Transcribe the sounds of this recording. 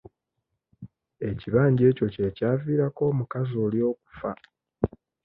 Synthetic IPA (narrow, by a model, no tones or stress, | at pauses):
e̞ciβaːɲɟe̞ːco̞cecaːviːɾako̞ːmukazo̞ːljo̞ːku̥fa